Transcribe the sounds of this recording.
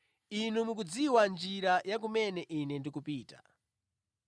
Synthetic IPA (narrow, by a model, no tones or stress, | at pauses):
inumukud͡ziwand͡ʒiɾajak̬umɛnɛʔinɛndikupiːtḁ̰